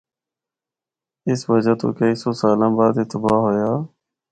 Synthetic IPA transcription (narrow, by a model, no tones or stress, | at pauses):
ɪsʋəd͡ʒaːt̪õ̰ːkəiːsoːsaːlãːbaːd̪ɪt̪əbaːɦoːjaː